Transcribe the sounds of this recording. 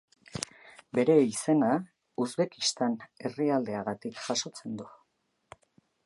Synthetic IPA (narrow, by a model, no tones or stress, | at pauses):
be̞ɾe̞ise̞na | uzβe̞kist̪ane̞riald̪e̞aɣat̪ikʝaʃo̞t͡se̞nd̪u